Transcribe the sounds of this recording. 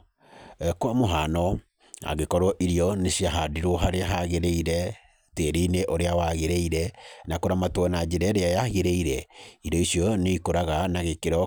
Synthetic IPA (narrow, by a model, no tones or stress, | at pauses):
ɛkwamoɦanɔ | a̰ɣekɔɾwɔʔiɾiɔnesiaɦadiɾoɦaɾeaɦaɣeɾeiɾɛ | teɾineʔoɾeawaɣeɾeiɾɛnakoɾamatwɛnad͡ʒeɾɛɾeajaɣeɾeiɾɛiɾɔisjɔneikoɾaɣanaɣekeɾɔ